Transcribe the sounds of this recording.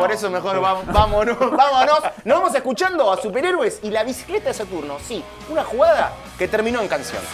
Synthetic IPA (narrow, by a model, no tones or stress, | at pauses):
poɾesomexoɾβabamonobamonosnoβamos̬e̞hkut͡ʃand̪o̞asupeɾeɾwesilaβ̞isi̥klet̪aðesat̪uɾno̞si | unaxuɣaða | ke̞t̪eɾmĩno̞eŋkansjo̰n